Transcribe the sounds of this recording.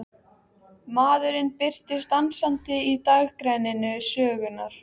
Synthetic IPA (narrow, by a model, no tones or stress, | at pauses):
maːðʏɾɪnpɪr̥t̪ɪst̪ansant̪ɪit̪aɣkɾɛjnɪnʏsœːɣʏnaɾ̥